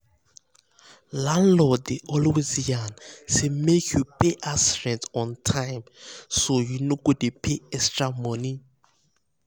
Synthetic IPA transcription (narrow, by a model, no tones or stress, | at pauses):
lãnlɔdeʔɔlwezjansemekʰjupʰeʔasdɛ̃ntɔ̃ntʰãjmsojunoɡodepʰeɛstɹamɔ̃ni